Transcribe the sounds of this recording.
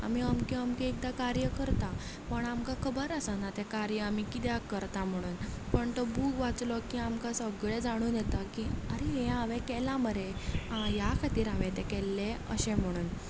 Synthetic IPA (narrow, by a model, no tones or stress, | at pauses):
a̰miamkiamkiek̚d̪akaɾjəkəɾt̪a | pəɳamkakʰəbəɾəsanat̪ekaɾjəamikit̪jakəɾt̪am̤əɽ̃uːnpəɳt̪ɔbuːkʋat͡slɔkiamkasəɡɭed͡zaɽ̃uːnjɛt̪akiəɾeɦẽaʋɛ̃kɛlaməɾeãjakʰat̪iːɾaʋẽt̪ɛkɛlːeə̰ɕẽm̤əɽ̃uːn